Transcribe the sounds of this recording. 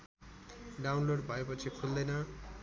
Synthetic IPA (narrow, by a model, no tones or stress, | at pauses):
ɖawnloɽbʱʌepʌt͡sʰikʰuld̪ʌjnʌ